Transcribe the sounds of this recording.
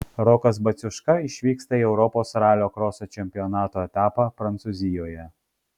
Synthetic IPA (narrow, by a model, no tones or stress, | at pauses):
ɾɔkɐsbɐt̪sʲʊʃkɐɪʃʲʋʲiːkst̪ɐiɛʊɾɔpoːsɾɑːlʲoːkɾɔːsot͡ʃʲɛmʲpʲɪjɔnɑːt̪oːɛt̪ɑːpɑpɾɐnt̪suːzʲɪjoːjɛ